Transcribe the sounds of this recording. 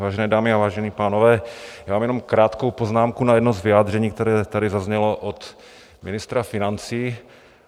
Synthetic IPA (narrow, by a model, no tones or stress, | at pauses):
aːʒɛnɛːdaːmɪavaːʒɛniːpaːnovɛːjaːmaːmjɛnomkɾaːt̪ko̞wpoznaːmkunajɛdnuzvɪjaːd̪r̝ɛɲiːk̚t̪ɛɾɛːt̪adɪzazɲɛloʔot̪ | mɪnɪst̪ɾafɪnant͡siː